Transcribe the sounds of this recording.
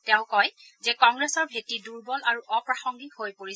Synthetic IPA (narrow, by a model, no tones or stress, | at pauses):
tɛʊ̃kɔjzɛkɔŋɡɹesɔɹbʱetiduɹbɔlaɹuʔɔpɹaxɔŋɡihojpoɹi